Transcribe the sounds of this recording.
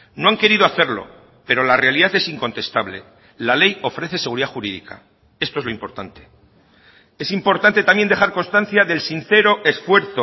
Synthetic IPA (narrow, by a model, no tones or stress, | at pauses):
noaŋke̞ɾiðo̞aθeɾlo̞̰ | pe̞ɾo̞larealiðaθe̞siŋko̞nt̪e̞st̪aβle̞̰ | lale̞jo̞fɾe̞θe̞se̞ɣ̞uɾiðaxuɾiðḭka̰ | e̞st̪oezlo̞impo̞ɾt̪ant̪e̞̥ | e̞simpo̞ɾt̪ant̪e̞t̪amje̞nd̪e̞xaɾkonst̪an̟θjaðe̞lsin̟θe̞ɾo̞ʔe̞sfwe̞ɾθo